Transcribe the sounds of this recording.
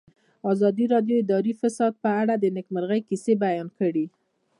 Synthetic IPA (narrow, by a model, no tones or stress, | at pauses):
ɑzɑd̪iɾɑd̪joɪd̪ɑɾifasɑd̪̚pəaɽad̪ənɪkməɾɣəjkisebajɑnkəɽi